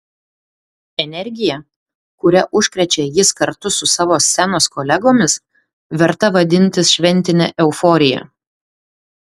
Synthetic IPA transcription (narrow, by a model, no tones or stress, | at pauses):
ɛnʲɛɾʲɡʲɪjɛ | kʊɾʲɛʔʊʃʲkɾʲɛt͡ʃʲɛjɪskɐɾt̪ʊsʊsɑːʋoːsʲːænoːskɔlʲɛɡoːmʲɪs | ʋʲɛɾt̪ɐʋɐd̪ʲɪnʲt̪ʲɪsʃʲʋʲɛnʲt̪ʲɪnʲɛ̰ʔɛʊfɔɾʲɪjɛ̰